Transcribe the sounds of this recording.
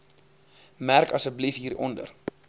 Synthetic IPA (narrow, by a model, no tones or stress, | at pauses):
mærkɐsət̚blifɦiːɾɔ̰ndə̰r